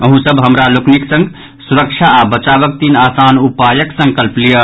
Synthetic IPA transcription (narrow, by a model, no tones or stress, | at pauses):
əɦũsəbɦəmɾalokniksə̃ŋɡ | suɾəkt͡ʃʰaːbət͡ʃaːbək̚t̪inaːsaːnupaːjəksə̃ŋkəlplijə